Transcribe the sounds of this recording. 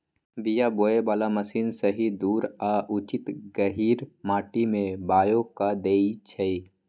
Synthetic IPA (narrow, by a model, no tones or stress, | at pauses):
bijaboːebaːlaməsiːnsəɦid̪uːɾaːʔut͡ʃɪt̪ɡəɦiːɾmaːʈimẽbaːjokad̪eːit͡ʃʰɛi